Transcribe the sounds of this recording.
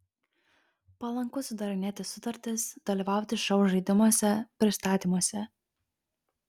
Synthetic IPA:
pɐlˠɐŋkʊsʊd̪ɐɾʲɪnʲeːt̪ʲɪsʊt̪ɐɾʲt̪ʲɪsd̪̥ɐlʲiˑʋɑˑʊt̪ʲɪʃɐʊʒɐɪd̪ʲɪmuɔsʲɛpʲɾʲɪst̪ɑːt̪ʲiːmuɔsʲɛ

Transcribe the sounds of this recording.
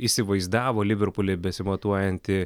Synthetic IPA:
isʲɪʋɐɪzd̪ɑːʋoːlʲɪʋʲɛɾpʊlʲɪbʲɛsʲɪmɐt̪uɔjɛnʲt̪ʲɪ

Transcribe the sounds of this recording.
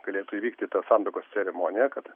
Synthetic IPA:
ɡ̥ɐlʲeːt̪ʊiʋʲiːkt̪ʲɪt̪ɐsɑnd̪ɪkoːst͡s̪ʲɛɾʲɛmoːnʲɪjɛkɐt̪

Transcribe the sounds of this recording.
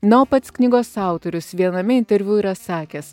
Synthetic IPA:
noːpɐt̪sknʲɪɡoːsɑˑʊt̪ɔɾʲʊsʋʲiɛnɐmʲɪɪnʲt̪ʲɛɾʲʋʲuiːɾɐsɑːkʲeːs

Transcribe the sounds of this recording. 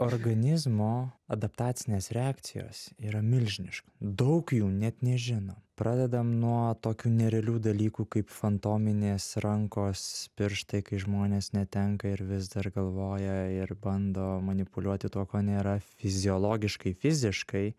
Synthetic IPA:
oːrɡɐnʲɪzmoːɐd̪ɐpt̪ɑːt̪sʲɪnʲeːsɾʲɛɑːkt̪sʲɪjo̰ːsiːɾɐmʲɪlʲʒʲnʲɪʃkɐ̥d̪ɐʊkjuːnʲɛt̪nʲɛʒʲɪnoːpɾɑːd̪ʲɛd̪ɐmnuɔt̪oːkʲuːnʲɛɾʲɛlʲuːd̪ɐlʲiːkuːkɐɪpfɐnt̪oːmʲɪnʲeːsɾɐŋkoːspʲɪɾʃt̪ɐɪkɐɪʒmoːnʲeːsnʲɛt̪ʲɛŋkɐɪɾʋʲɪzd̪ɐɾrɡɐlˠʋoːjɛɪɾbɐnd̪oːmɐnʲɪpʊlʲuɔt̪ʲɪt̪uɔkoːnʲeːɾɐfʲɪzʲɪolˠoːɡʲɪʃkɐɪfʲɪzʲɪʃkɐɪ

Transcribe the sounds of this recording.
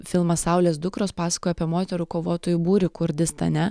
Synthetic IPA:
fʲɪlˠmɐsɐʊlʲeːs̬d̪ʊkɾoːspɑːsɐkoːjɐpʲiɛmoːt̪ʲɛɾuːkoːʋoːt̪oːjubuːɾʲɪkʊɾʲd̪ʲɪst̪ɐ̰nʲɛ

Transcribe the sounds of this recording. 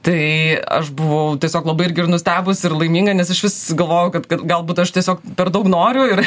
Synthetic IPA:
t̪ɐɪɐ̰ʃbʊʋɐʊt̪ʲiɛsʲoːklˠɐbɐɪɪɾʲɡʲɪrnʊsʲt̪ʲæːbʊsɪrlˠɐɪmʲiːŋɡɐnʲɛsɐʃʋʲɪsɡɐlˠʋoːjɛʊkɐt̪kɐt̪ɡɐlˠbuːt̪ɐʃt̪ʲiɛsʲoːkpʲɛɾd̪ɐʊknoːɾʲʊɪr

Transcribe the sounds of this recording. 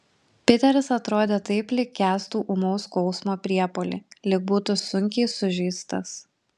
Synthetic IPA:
pʲɪt̪ʲɛɾʲɪsɐt̪ɾoːd̪ʲeːt̪ɐɪplʲɪkʲːæːst̪uːʔʊmɔʊskɒʊsmoːpʲɾʲiɛpolʲɪ̰lʲɪk̚buːt̪ʊsʊŋʲkʲɛɪsʊʒʲiːst̪ɐs

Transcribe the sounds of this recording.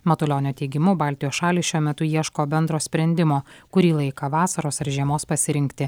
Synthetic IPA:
mɐt̪ʊlʲoːnʲoːt̪ʲɛɪɡʲɪmʊbɑːlʲt̪ʲɪjoːsʃɑːlʲiʃʲuɔmʲɛt̪ʊiɛʃkoːbʲɛnd̪ɾoːsʲpʲɾʲɛnʲd̪ʲɪmoːkʊɾʲiːlˠɐɪkɐʋɑːsɐɾoːsɪɾʒʲiɛmoːspɐsʲɪɾʲɪŋʲkt̪ʲɪ

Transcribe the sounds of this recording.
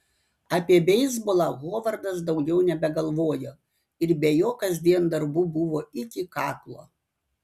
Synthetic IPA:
ɑːpʲiɛbʲɛɪzbʊlˠɑɣoːʋɐɾd̪ɐsd̪ɒʊɡʲɛʊnʲɛbʲɛɡɐlˠʋoːjoː | ɪɾbʲejoːkɐzʲd̪ʲiɛnd̪ɐɾbuːbʊʋoːɪkʲɪkɑːklˠo̰ː

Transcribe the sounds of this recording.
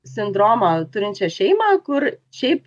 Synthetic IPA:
sʲɪnd̪ɾoːmɐt̪ʊɾinʲt͡ʃɛʃɛɪmɐkʊɾʃɛjp

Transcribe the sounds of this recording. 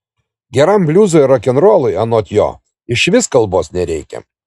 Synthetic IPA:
ɡʲɛɾɐmbʲlʲuːzoɾɐkʲɛnɾoːlˠʊɪɐnoːt̪ʲjo̰ː | ɪʃʋʲɪskɐlˠboːsnʲɛɾʲɛɪkʲɛ̰

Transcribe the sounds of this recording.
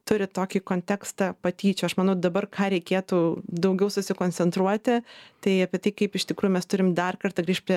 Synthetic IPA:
t̪ʊɾʲɪt̪oːkʲikoːnʲt̪ʲæːkst̪ɑpɐt̪ʲiːt͡ʃʲʊɐʃmɐnɐʊd̪ɐbɐrkʰɑːɾʲɛɪkʲeːt̪uːd̪ɐʊɡʲɛʊsʊsʲɪkoːnʲt͡ssʲɛnt̪ɾuɔt̪ʲɪt̪ɐɪɐpʲiɛt̪ɐɪkɐɪpɪʃt̪ʲɪkɾuːjʊmʲɛst̪ʊɾʲɪmd̪ɐrkɐrt̪ɐɡɾʲiːʃpɾʲiɛ

